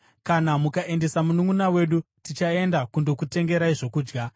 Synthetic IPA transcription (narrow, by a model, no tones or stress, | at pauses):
kanamukaʔe̞nde̞samunumunawe̞ɗu | tit͡ʃae̞ndakundo̞kute̞ŋɡe̞ɾaiʐo̞kuːd͡ʒɡa